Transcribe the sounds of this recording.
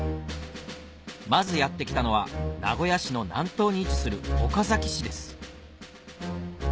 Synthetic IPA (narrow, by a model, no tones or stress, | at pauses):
mazɨjat̪ːe̞kʲi̥t̪ano̞βana̰ɡo̞jaɕino̞nã̰nt̪o̞ːɲ̟iːt͡ɕi̥sɨɾɯ̟o̞kazakʲi̥ɕid̪e̞sɨ̥